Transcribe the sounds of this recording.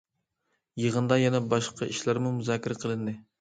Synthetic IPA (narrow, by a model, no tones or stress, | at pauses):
jəʁənd̪ɑjɛnɛbɑʃqʰɑiʃlæɾmumuzɑːkʲʰːɪɾɛqʰəlˠɨnd̪ɪ